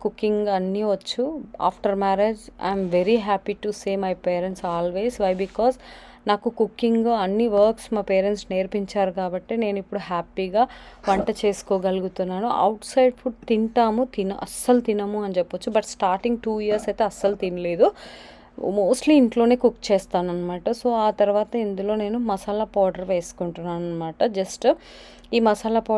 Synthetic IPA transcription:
kukːiŋɡɐnːiʋɐt͡ʃːua̰ːpʰʈɐɾmaːɾed͡ʒɐ̰jmʋeɾiɦaːpiʈuseːmɐjpeːɾeɳʈsaːlʋe̞ːzʋɐjbikɔːz | naːkukukːiŋɡɐnːiʋɐːɾksmaːpeːɾeɳʈsneːɾpiɲt͡ʃaːɾukaːbɐʈːeːne̞ːnipːuɽuɦaːpiɡaːʋɐɳʈɐt͡ʃe̞ːsu̥kɔːɡɐluɡut̪unːaːnuɐ̰wʈsɐjɖpʰuʈ̚t̪iɳʈaːmut̪inɐʔɐ̰sːɐlut̪inɐmuɐnit͡ʃɛpːɐt͡ʃːubɐʈsʈaːɾʈiŋɡ̚ʈuːjijɐɾsɐjt̪eːɐsːɐlut̪inɐle̞ːd̪u | moːsʈliːɳʈlo̞ːne̞ːkukːt͡ʃɛːst̪aːnɐnːɐmaːʈɐso̞ːaːt̪ɐɾuʋaːt̪ɐind̪ulo̞ːne̞ːnumɐsaːlɐpɔːɖɐɾʋe̞ːsu̥kuɳʈunːaːnɐnːɐmaːʈɐd͡ʒɐsʈ | iːmɐsaːlɐpɔː

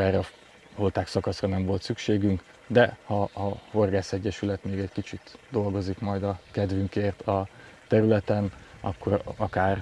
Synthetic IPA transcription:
ɛrːɛɒ | ho̞lt̪aːksɒkɒsrɒnɛɱvo̞lt̪sykʃeːɡyŋk | d̪ɛhɒːho̞rɡaːsɛɟːɛʃylɛt̪meːɡɛɟkit͡ʃit̪d̪o̞lɡo̞zikmɒjd̪ɒkɛd̪vyŋkeːrt̪ʰɒt̪ɛɾylɛt̪ɛnɒ̰kːo̞ɾɒkaːr

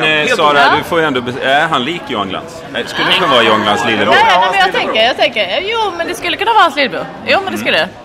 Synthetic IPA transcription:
sɑːɾad̪ɵfoːjɛnd̪ɔbɛæɾɦanliːkɔŋla̰nd̪ | ɛskɵlːəɾkɵnavːɪɔŋlansliːlb̪ɛnɛmɛnjɑɡt̪ʰɛŋkəɾjɑːt̪ʰɛŋkəjuːmɛnd̪ɛskɵlːəkɵnːaʋvɑːhansliːlbʉ̰ː | juːmɛnd̪ɛskɵləd̪ɛ

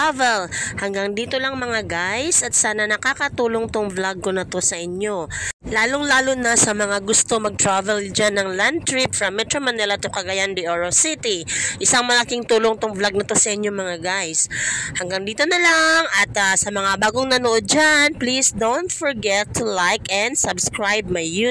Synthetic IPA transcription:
avɛlhɐŋɡaŋd̪iːt̪o̞lɐŋmɐŋaɡajsɐt̪saːnɐnɐkakɐt̪uːlo̞ŋt̪oŋvlaɡonɐt̪o̞sɐʔɪɲo̞laːloŋlaːlonɐsɐmɐŋaɡʊst̪o̞mɐɡ̚t̪ɹavɛld͡ʒanːɐŋland̪̚t̪ɹɪpfɹɐmːɛt̪ɹomɐnɛlɐt̪okɐɡɐjand̪iʔoɹosit̪iʔɪsaŋmɐlɐkiŋt̪uːlo̞ŋt̪oŋvlaɡ̚nɐt̪o̞sɐʔɪɲoŋmɐŋaɡajshɐŋɡaŋd̪iːt̪o̞nɐlaŋʔɐt̪ɐsɐmɐŋabaːɡoŋnɐnoʔod̪̚d͡ʒanplisd̪ownt̪fɔɹɡɛt̪ʰːʊlajkɛnd̪sɐbskɹajb̚maju

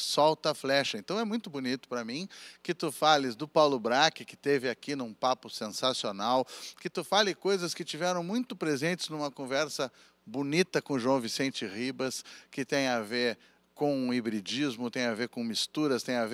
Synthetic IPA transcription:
sɔwt̪ɐflɛʃɐẽnt̪ɐ̃w̃ɛmũj̃t̪ʊbunit̪ʊ̥pɾɐmĩkɪt̪ufalɪzd̪ʊpawlʊbɾakɪkɪ̥t̪evɪakinũpapʊsẽsasionawkɪt̪ufalɪkojzɐskɪt͡ʃivɛɾɐ̃w̃mũj̃t̪ʊpɾezẽnt͡ʃ̪ɪznũmɐkõvɛɾsɐ | bunit̪ɐkõʒwɐ̃w̃visẽnt͡ʃɪʁibɐskɪt̪ẽj̃aveɾ | kõibɾid͡ʒizmʊt̪ẽj̃aveɾkõmist̪uɾɐst̪ẽj̃av

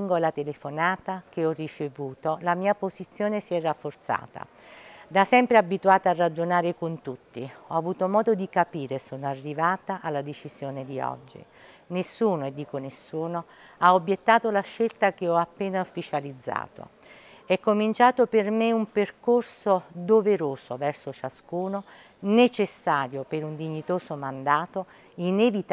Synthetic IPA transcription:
ŋɡoalat̪elefonaːt̪ak̟eɔrːit͡ʃevuːt̪olamiːapozit̪sːjoːnesiɛrafːort̪sa̰ːt̪a̰ | d̪asɛmpɾeabːit̪uaːt̪aarːad͡ʒonaːɾekont̪ut̪ːiɔavuːt̪omɔːd̪od̪ikapiːɾesoːnoarːivaːt̪aʔalːad̪et͡ʃiz̥joːned̪iɔ̰d͡ʒːḭ | nesːuːnoed̪ːiːkonesːuːno | aobjet̪ːaːt̪olaʃːelt̪akeɔapːeːnaufːit͡ʃalid̪zːa̰ːt̪o̰ | ɛkːomint͡ʃaːt̪opermeumperkorsod̪oveɾoːsovɛrsot͡ʃaskuːno | net͡ʃesːaːɾjopeɾund̪iɲːit̪oːsomand̪aːt̪o | inevit̪

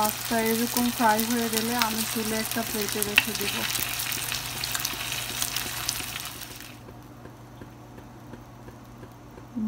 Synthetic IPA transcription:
ast̪aeɾokomkʰɾajɦoeɡeleamisʰeleɛk̚ʈaplejʈeɾekʰed̪ibo

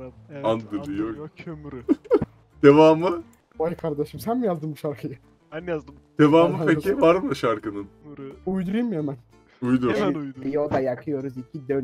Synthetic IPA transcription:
and̪ɯd̪ijoøɾ | d̪̥evaːmɯ | ajkʰaɾd̪aʃɯmsænmijazd̪ɯmbuʃaɾkʰɯjɯ | ɛnjazd̪ɯ | d̪̥evaːmɯpʰecʰivaɾmɯʃaɾkɯnɯnujd̪uɾujumemæn | ujd̪uɾjod̪ajakʰɯjo̞ɾuzicʰid̪øn

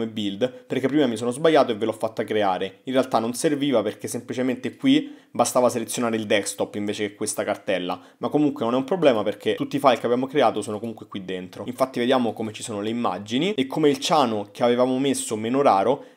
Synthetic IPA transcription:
mebild̪perkepːɾiːmamisoːnozbajːaːt̪oevːelɔfːat̪ːakɾeaːɾeinrealt̪anonserviːvaperkesːemplit͡ʃement̪ekwibast̪aːvaselet̪sjonaːɾeild̪ɛkst̪ɔpːiɱveːt͡ʃekekːwest̪akart̪ɛlːa̰ | makːomuŋkwenonɛumpɾoblɛːmaperkʰet̪ut̪ːifajkeabjaːmokɾeaːt̪osoːnokomuŋkwekwid̪ːent̪ɾoiɱfat̪ːived̪jaːmokomet͡ʃi̥soːnoleimːa̰d͡ʒiniekːomeilt͡ʃaːnokeavevaːmomesːomeːnoɾaːɾo

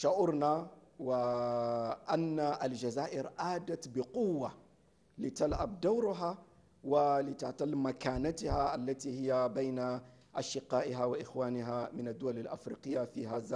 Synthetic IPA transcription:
ʃaʔʊɾnawə | ʔænːaʔəlʒazaːʔəɾʔaːd̪at̪bəqʊwːa | lət̪alʕabd̪awɾʊɦa | wələt̪aʕt̪ˤɑlmakanat̪haʔælːat̪ihɪjːabajn | ʔaʃəqːɑːʔɦawʔɪxwaːnəɦamənəd̪ːʊwaləlʔafɾḭqəjːafiːhaza

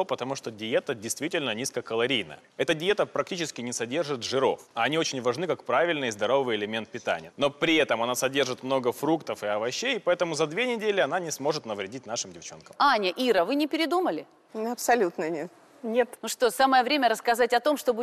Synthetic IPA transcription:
opət̪ɐmuʂt̪odʲɪjet̪ədʲɪjst̪vʲitʲɪlʲnənʲiskəkəlˠɐɾʲijnə̰jəɛt̪ədʲɪjet̪əpɾɐk̚tʲit͡ɕɪskʲɪnʲɪsɐdʲe̞rʐɨt̪ʐɨɾo̞̰fɐɐnʲio̞t͡ɕɪnʲvɐʐnɨkakpɾavʲɪlʲnɨjzd̪ɐɾo̞vɨjɪlʲɪmʲe̞nt̪̚pʲɪt̪a̰nʲɪjəno̞pɾʲɪɛt̪əmɐnasɐdʲe̞rʐɨt̪mno̞ɡəfɾukt̪əfɨɐvɐɕːejpɐɛt̪əmʊzɐd̪vʲenʲɪdʲelʲɪɐn̪anʲɪsmo̞ʐɨt̪nəvɾʲɪdʲitʲnaʂɨmdʲɪft͡ɕo̞̰nkəmanʲɪʔiɾəvɨnʲɪpʲɪɾʲɪd̪uməlʲɪ | nɐpsɐlʲut̪nənʲet̪ | nʲet̪nuʂt̪osaməjəvɾʲemʲəɾəskɐzatʲɐt̪o̞mʂt̪obu

